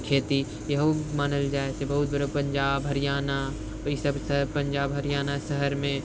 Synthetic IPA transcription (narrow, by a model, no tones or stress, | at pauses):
kʰeːt̪i | jɐɦomaːnəld͡ʒaːesʰebɐɦʊt̪̚bəɾopɐ̃ɲd͡ʒaːbɦɐɾjaːna | isəbsəpɐ̃ɲd͡ʒaːbɦɐɾɪjaːnasəɦəɾmẽ